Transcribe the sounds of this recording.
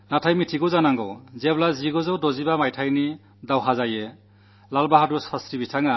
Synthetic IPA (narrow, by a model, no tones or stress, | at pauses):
natʰajmitʰiɡɔzanaŋɡɔwzeblaziɡɔzɔwdɔzibamajtʰajni | dawɦazaje | lalbaɦadusasɾibitʰaŋa